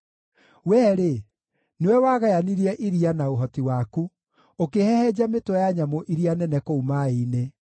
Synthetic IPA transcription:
wɛːɾe | newɛwaɣajaniɾiɛʔiɾianaoɦɔtiwaku | okehɛhɛd͡ʑametwɛjaɲamoʔiɾianɛnɛkoumaeine

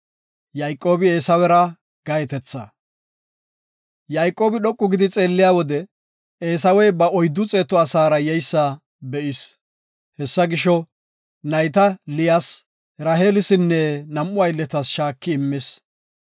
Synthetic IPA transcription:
jɐjkʼːo̞ːbɪe̞ːsɐwɛɾɐ | ɡ̥ɐjɛt̪ɛt͡sːɐ | jɐjkʼːo̞ːbɪɗɔkʼːʊɡɪd̪ɪt͡sʼe̞ːlːɪjaːwɔd̪ɛ | eːs̬ɐwɛjbɐɔjd̪ːʊt͡sʼeːt̪ːɔɐsaːɾɐjɛjsːɐ | bɛʔɪs | hɛsːɐɡɪʃɔ | nɐjt̪ɐlɪjas | ɾɐɦeːlɪsɪnːɛnɐmʔːʊɐjlːɛt̪ɐsʃaːkːɪːmːɪs

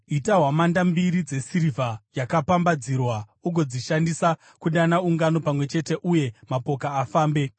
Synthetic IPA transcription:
itaɦwamandambiɾid͡ze̞siɾivajakapambad͡zirwauɡʱo̞d͡ziʃandisa | kuɗanauŋɡano̞pamwe̞t͡ʃe̞te̞ʔuje̞mapo̞kaːfaːmbe̞

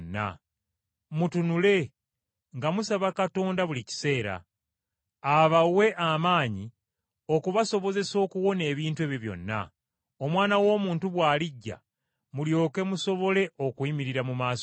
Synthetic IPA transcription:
nːa̰ | mutunule̞ | ŋɡamusaβakato̞ːndaβulici̥se̞ːɾa̰ | βawe̞ʔamaːɲi | o̞kuβaso̞βo̞ze̞so̞ːkuwo̞ne̞ːβiːntuweβjoβjo̞̰nːa̰ | o̞mwaːnawo̞ːmuːntuβwaːliɟːa̰ | muljo̞ːke̞muso̞βo̞le̞o̞kwimiɾiɾamumaːs

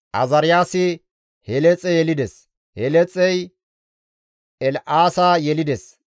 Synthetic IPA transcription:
ʔɐ̰zɐɾɪjaːsɪ | hɛlɛt͡sʼɛjɛlɪd̪ɛs | hɛlɛt͡sʼɛj | ʔɛlʔaːsaːjɛlɪd̪ɛs

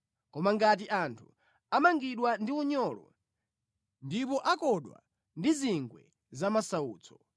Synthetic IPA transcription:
kɔmaŋɡat̬iʔantʰu̥ | amaŋɡiɗwandiuɲɔlɔ̰ | ndipɔʔakɔɗwa̰ | ndiziŋɡwɛ̰ | zamasauːt͡sʰɔ̥

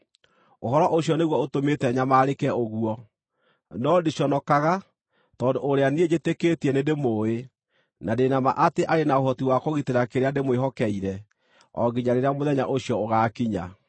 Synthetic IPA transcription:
oɦɔɾɔʔoɕjɔneɣwɔotometɛɲamaːɾekɛoɣuɔ | nɔdiɕjɔnɔkaɣa | tɔːndoːɾeanied͡ʑeteketiɛnedemoːe | nadenama̰ʔateʔaɾenaoɦɔtiwakoɣiteɾakeɾeademoeɦɔkɛiɾɛ | ɔ̰ɡiɲaɾeɾeamoðɛɲa̰ʔoɕjɔoɣaːkiɲa̰

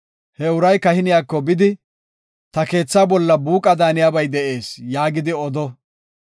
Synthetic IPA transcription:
hɛʊɾɐjkɐhɪnɪjaːkːɔbɪd̪ɪ | t̪ɐke̞ːt͡sːaːbɔlːɐbuːkʼɐd̪aːnɪjaːbɐjd̪ɛʔe̞ːsjaːɡɪd̪ɪɔd̪ɔ

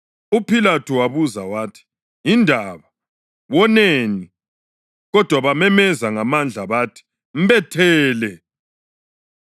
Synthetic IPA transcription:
upʰilatʰuwaβuza̰waːtʰi̥ | indʱaβa | wɔneni | ɣɔd̥ʱwaβamɛmɛzaŋamand͡ɮʱaβatʰi̥ | m̩βɛtʰɛːlɛ

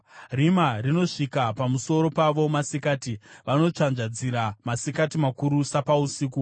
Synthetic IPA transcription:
rimarino̞ʂikapamuso̞ɾo̞paʋo̞masikaːtiʋano̞t͡ʂanʐad͡ziɾamasikatimakuɾusapausiːku

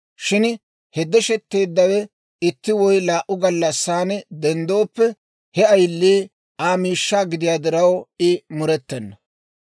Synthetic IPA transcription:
ʃɪn | hɛd̪ɛʃɛt̪ːe̞ːd̪ːɐwɛ | ɪt̪ːɪwɔjlaːʔʊɡɐlːɐsːaːnd̪ɛnd̪o̞ːpːɛ | hɛɐjlːiː | aːmiːʃːaːɡɪd̪ɪjaːd̪ɪɾɐwɪmʊɾɛt̪ːɛnːɐ

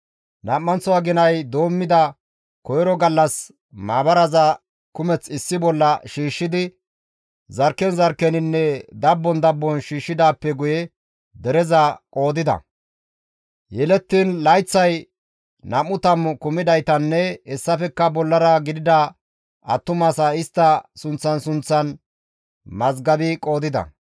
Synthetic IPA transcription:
nɐmːɐnt͡sɔɐɡɪnɐjd̪o̞ːmːɪd̪ɐ | kɔjɾɔɡɐlːɐs | maːbɐɾɐzɐ | kʊmɛt͡sɪsːɪbɔlːɐʃiːʃːɪd̪ɪ | zɐɾkːɛnzɐɾkːɛnɪnːɛd̪ɐbːɔnd̪ɐbːɔnʃiːʃːɪd̪aːpːɛɡʊjɛ | d̪ɛɾɛzɐkʼo̞ːd̪ɪd̪ɐ̰ | jɛlɛt̪ːiːnlɐjt͡sːɐj | nɐmːʊt̪ɐmkʊmɪd̪ɐjt̪ɐnːɛɛsːɐfɛkːɐbɔlːɐɾɐɡɪd̪ɪd̪ɐ | ɐt̪ːʊmɐsɐɪst̪ːɐsʊnt͡sːɐnsʊnt͡sːɐn | mɐzɡɐbɪkʼo̞ːd̪ɪd̪ɐ̰

